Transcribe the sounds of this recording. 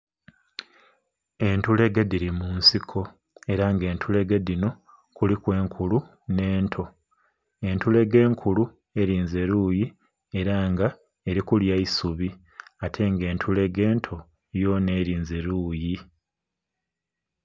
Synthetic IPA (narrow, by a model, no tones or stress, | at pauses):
e̞ntule̞ɡediɾimunsikʰo̞ | e̞ɾaŋɡe̞ːntʰule̞ɡedino̞ | kulikwe̞ːŋkʰulu | ne̞ːntʰo̞ | e̞ntule̞ɡe̞ːŋkʰulu | e̞ɾiːnze̞ɾuːji | e̞ɾaːŋɡa | e̞ɾikuljaisuβi | atʰe̞ŋɡe̞ːntʰule̞ɡe̞ːntʰo̞ | jo̞ne̞ːɾiːnze̞ɾuːji